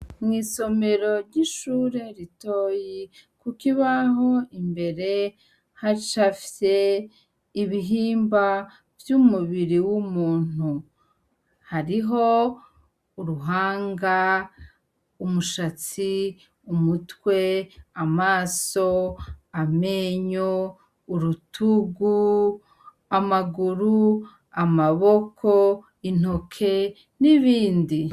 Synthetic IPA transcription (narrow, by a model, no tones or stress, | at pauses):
mŋiːso̞me̞ɾo̞ɾɟiʃuːɾe̞ɾito̞ːjikukiβaɦo̞imbe̞ɾe̞ | haʃafise | iβiɦiːmba | vjumuβiɾiwumuːn̥u | haɾiɦo̞ | uɾuɦaːŋɡa | umuʃat͡si | umutweamaːso̞ame̞ːɲoː | ɾutʰuɡu | amaɡuɾu | amaβo̞kʰo | in̥o̞kʰe̞ | niβiːndi